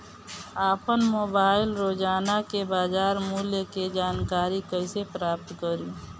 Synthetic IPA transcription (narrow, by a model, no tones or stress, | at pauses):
aːpənmoːbaːɪlɾoːd͡ʒaːnakebaːd͡ʒaːɾmuːljəked͡ʒaːnkaːɾikəɪsepɾaːp̚t̪kəɾũ